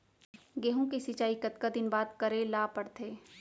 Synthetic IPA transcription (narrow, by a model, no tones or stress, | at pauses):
ɡeːɦõkesit͡ʃaːikɐt̪kad̪ɪnbaːd̪kɐɾelaːpɐɽt̪ʰeː